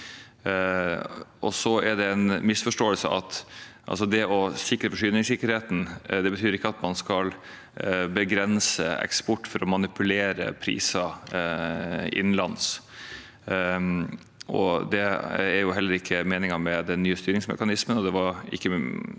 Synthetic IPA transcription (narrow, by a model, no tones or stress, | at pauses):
ɔ̰sɔɛɖɛɛnmɪsfɔʂʈoːəlsəʔɑ̰t̪ʔɑ̰ls̬ɔd̪ɛɔsɪkːɾəfɔʂyːnɪŋsɪkːəɾheːt̪n̩d̪ɛbət̪ʰyːɾɪkːəɑt̪mɑnskɑl | bəɡɾɛnsə̰ɛ̰kspɔʈːfɔɾɔmɑnɪpʉleːɾə̰pʰɾḭːsɑ | ɪ̰nlɑns | ʔɔ̰d̪ɛæɾjʊɦɛlːəɾɪkʰːəmeːnɪŋɑmɛd̪ɛnːyːəst̪yːɾɪŋsmɛ̰kɑnɪsmənɔd̪ɛʋɑɾɪ̰kːə